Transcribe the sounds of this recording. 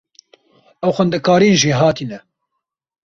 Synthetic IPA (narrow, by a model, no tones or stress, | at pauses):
ɛwxʷɛnd̪ɛkaːɾinʒiːɦɑːt̪iːnɛ